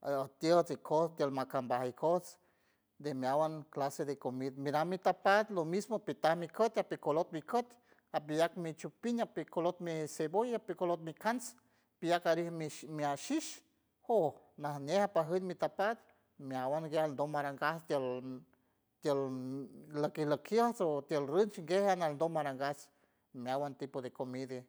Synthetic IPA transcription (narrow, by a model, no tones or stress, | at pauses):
at̪jət͡sikʰost̪jəlmakambahikʰos | d̪emjawanklased̪ekomid̪miɾamːit̪apat̪lomismoapit̪ahmikət̪apikolot̪̚mikot̪ | ap̬ijak̚mit͡ʃupiɲapikolot̪̚misebojapikolot̪̚mikans | pijakaɾihmimiaʃiʃ | ho | nahnehapaɦənmit̪apad̪̚ | mjawanɡealnd̪omaɾaŋɡast̪jəl | t̪jəl | ləkiləkʰjəhsot̪jəlrənt͡ʃŋɡehanalnd̪omaɾaŋɡas | mjawant̪ipod̪ekomid̪e